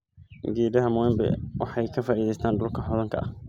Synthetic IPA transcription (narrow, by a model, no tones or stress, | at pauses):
ɡiːdɐɦɐmʊɛmbɛ̰wɑħɑjkʰɐfaːʔiːðɛjst̪ʰaːnd̪ʊlkʰɐħɔðɐŋkʰɐʔɐh